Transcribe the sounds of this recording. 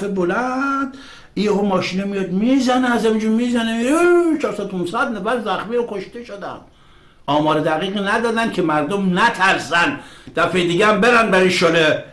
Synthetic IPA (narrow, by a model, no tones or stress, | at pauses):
febolænd̪ | ieomɒːʃiːnemijɒd̪miːzæneæzhæmid͡ʒumiːzænemiɾet͡ʃʰɒːɾsæd̪opʰumsæd̪næfæɾzæxmiɾokʰoʃt̪eʃod̪æ̰nd̪̥ | ɒːmɒːɾed̪æɣiːɣiːnæd̪ɒːd̪ænkʲʰemæɾd̪omnæt̪ʰæɾsænd̪̥æfejed̪iːɡeæmbeɾænbæɾiʃole